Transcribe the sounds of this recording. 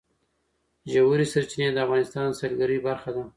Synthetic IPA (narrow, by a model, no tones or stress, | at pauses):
ʒawuɾisaɾt͡ʃined̪əafvɣɑnɪst̪ɑnsalɡaɾibaɾxad̪a